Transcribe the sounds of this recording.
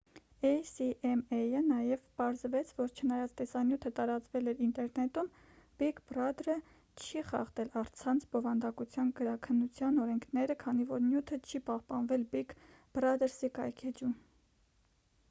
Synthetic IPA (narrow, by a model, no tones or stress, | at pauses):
ɛjsiʔɛmɛjənɑjɛvpɑɾzvɛt͡sʰvɔɾt͡ʃʰənɑjɑt͡st̪ɛsɑnjut̪ʰət̪ɑɾɑt͡svɛlɛɾint̪ɛɾnɛt̪um | b̥ikbrɑd̪ɾə | t͡ʃʰiχɑ̰χt̪ɛlɑɾt͡sʰɑnt͡sʰbɔvɑnd̪ɑkut͡sʰjɑnɡəɾɑkʰənːut͡sʰjɑnɔɾɛŋkʰnɛɾəkʰɑnivɔɾnjut̪ʰət͡ʃʰipɑhpɑnvɛlbiɡ | b̥rɑd̪əɾsikɑjkʰɛd͡ʒum